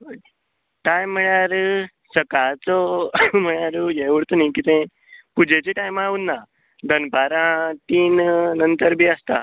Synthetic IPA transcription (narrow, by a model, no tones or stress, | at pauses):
ʈajm̤ːəɭjaɾ | səkat͡sɔm̤əɭjaɾujeʋəɽt̪onajkit̪ẽ | pud͡ʑʱet͡seʈajmaʋunːa | d̪ənbaɾãt̪iːnnənt̪əɾbʱiːəst̪a̰